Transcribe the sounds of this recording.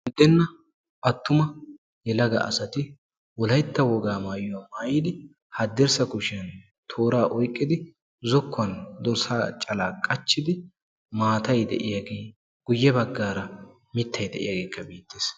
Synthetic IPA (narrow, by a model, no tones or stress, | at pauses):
mɪd̪ːɛnːɐ | ɐt̪ːʊmɐ | jɛlɐɡɐ̰ʔɐ̰sɐt̪ɪ | wɔlɐjt̪ːɐwɔɡaːmaːjʊwaːmaːjɪd̪ɪ | hɐd̪ːɛɾsɐkʊʃɪɐn | t̪ʰo̞ːɾaːʔɔjkʼːɪd̪ɪ | zɔkːɐnd̪ɔɾsaːt͡ʃʼɐlaːkʼɐt͡ʃːɪd̪ɪ | maːt̪ɐjd̪ɛ̰ʔɪjɐɡeː | ɡ̥ʊjːɛbɐɡːaːɾɐ | mɪt̪ːɐjd̪ɛʔɪ̰jaɡe̞ːkːɐbiːt̪ːeːs